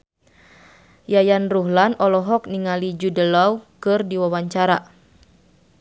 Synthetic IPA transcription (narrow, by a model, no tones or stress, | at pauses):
jajanruɦlanɔlɔɦɔk̚niŋalid͡ʒudəlɔwkɨrdiwawaɲt͡ʃaɾa